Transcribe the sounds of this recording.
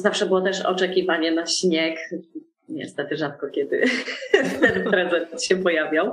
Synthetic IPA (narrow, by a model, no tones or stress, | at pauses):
zafʂɛbɘwɔt̪ɛʂɔ̰t͡ʂɛkʲivaɲɛnaɕɲɛk | ɲɛ̰st̪ɛt̪ɘʐat̪̚kɔkʲɛd̪ɘ̰ | t̪ɛnpɾɛzɛt̪at̪ɕɛpɔjavʲjaw